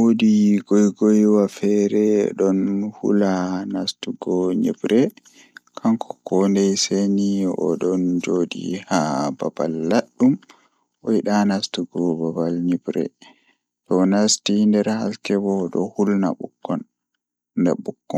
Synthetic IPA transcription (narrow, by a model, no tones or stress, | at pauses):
wodiɡɔjɡɔjwafɛɾɛɗɔnhṵlanastuɡɔɲibɾɛ | kʰaŋkʰɔ̥kɔndɛjseniɔ̰ɗɔnd͡ʒodḭhababa̰lːaɗːum | ʔɔiɗanastuɡɔbabalɲibɾɛ̰ | tɔnastindɛɾha̰lkɛbɔɗɔ̰hulna̰ɓukːɔnː | dɛ̰ɓukːɔn